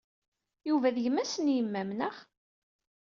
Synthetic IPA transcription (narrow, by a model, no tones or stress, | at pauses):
juvæðjəmæsənjəmːæmnəχ